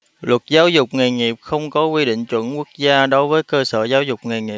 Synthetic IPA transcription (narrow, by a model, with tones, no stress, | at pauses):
lwə˨˩t̚zaː˨˦wzʊ˨˩k͡p̚ŋə˨˩jŋi˨˩əp̚xə˧wŋ͡mkɔ˨˦kwi˧ɗḭ˧˨ŋ̟t͡ɕwə̰˧˩˨nku˦˥ək̚zaː˧ɗo˨˦jvəː˨˦jkəː˧səː˧˩zaː˨˦wzʊ˨˩k͡p̚ŋa˨˩jŋi˨˩